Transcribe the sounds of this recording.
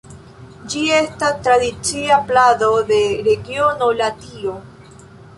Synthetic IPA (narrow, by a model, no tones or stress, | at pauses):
d͡ʒie̞stastɾadit͡siaplado̞de̞ɾe̞ɡio̞nolatio